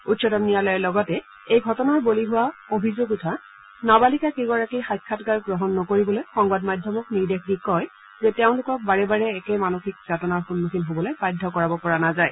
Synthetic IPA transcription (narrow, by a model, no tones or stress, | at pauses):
utsɔtɔmnijalɔjɛlɔɡɔtɛ | ejɡʱɔtɔnaɹboliɦuwaobʱizoɡutʰa | nabalikakiɡaɹakixajkʰːatɡaɹɡɹɔɦɔnːɔkoɹibɔlojxɔŋbadmajdʱjɔmɔkniɹdexdikɔj | zɛtɛʊ̃lʊkɔk̚baɹɛbaɹɛːkɛmanoxik̚z̥ʱatɔnaɹxunːuxinɦobɔlojbajdʱɔkɔɹabɔpɔɹanazaj